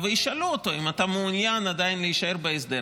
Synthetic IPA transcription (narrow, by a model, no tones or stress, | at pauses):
vejiʃaluot̪o̞imat̪ameunjanad̪ajinleiʃae̞ʁbeesd̪e